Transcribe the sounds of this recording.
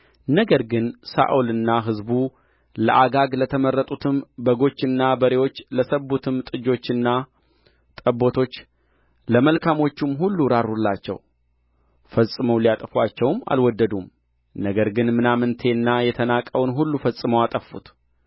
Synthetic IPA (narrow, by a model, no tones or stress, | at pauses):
nəɡəɾɡɨnsa̰ʔulɨnːaɦɨzbu | ləʔaɡaɡlət̪ʰəmərːət̪ʼut̪ʰɨmbəɡo̞t͡ʃːɨnːabəɾe̞wo̞t͡ʃːləsəbːut̪ʰɨmt̪ʼɨd͡ʒo̞t͡ʃːɨnːa | t̪ʼəbːo̞t̪ʰo̞t͡ʃː | ləməlkʰamo̞t͡ʃːumɦulːuɾarulːat͡ʃːɛ̰w | fəsʼɨməwlijat̪ʼəfwat͡ʃːɛwma̰lwɔd̪ːəd̪um | nəɡəɾɡɨnmɨnamɨnt̪ʰe̞nːajɛt̪ʰənakʼəwnɦulːufəsʼɨməwat̪ʼəfːṵt̪